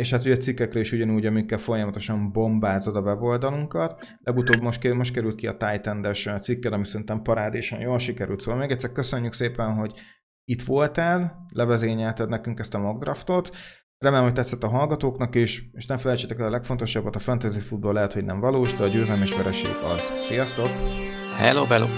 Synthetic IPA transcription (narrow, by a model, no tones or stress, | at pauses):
eːʃhat̪hoɟɒt̪sikːɛkrɛiʃuɟɒnuːɟɒmikːɛlfo̞jɒmɒt̪o̞ʃɒmbo̞mbaːzo̞d̪ɒvɛbo̞ld̪ɒluŋkɒt̪ | lʔɛɡut̪oːbmoʃkmo̞ʃt̪kɛɾylt̪̚kiɒt̪aːjt̪ɛnd̪ɛʃt̪sikːɛnɒmisɛɾint̪ɛmpɒɾaːd̪eʃɒ̰njoːlʃikɛɾy̰lt̪soːvɒlmeːɡɛct̪sːɛɾkøsø̞ɲːykseːpɛnɦo̞ɟ | it̪ʋo̞lt̪ɛllɛvɛzeːɲɛlt̪ɛd̪nɛkyŋkɛst̪ɒmɒɡd̪rɒft̪o̞t̪ | rɛmeːlɛmhoc̚t̪ɛt̪sːɛt̪ːɒɦɒlɡɒt̪oːknɒkeːʃeːʃnɛmfɛlɛjt͡ʃet̪ɛkɛlɒlɛkfo̞nt̪o̞ʃɒbːɒt̪ɒfɛnt̪øːzeːfud̪̚bɒlɛɦɛt̪ho̞ɟnɛ̰ɱvɒloːʒd̪ɛɒɟøːzɛlmeːʃʋɛɾɛʃḛːɡɒz̥ʃijɒst̪o̞k | hɛ̰loːbɛlo̰ː